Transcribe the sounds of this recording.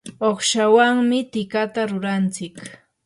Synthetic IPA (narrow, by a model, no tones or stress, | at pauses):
oχʃawaŋmɪt̪ɪkat̪aɾʊɾant͡sɪk